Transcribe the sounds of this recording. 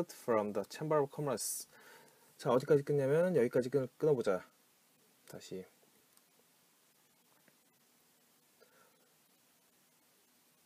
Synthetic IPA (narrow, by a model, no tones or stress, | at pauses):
dfɾʌmdət͡ɕʰembakʰʌmɾas | t͡ɕaʌd͡ʑik͈ad͡ʑik͈ɯɲɲamjʌnnjʌɡik͈ad͡ʑik͈ɯnɯɭk͈ɯnʌbod͡ʑa | taɕʰi